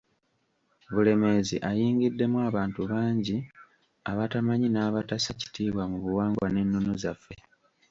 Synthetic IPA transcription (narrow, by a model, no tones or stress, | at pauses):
βule̞me̞zḭʔajiːŋɡidːe̞mwaːβaːntuβaːɲɟi | aβatamaɲinaːβatasaci̥tiːβwamuβuwaːŋɡwane̞nːonozafːe̞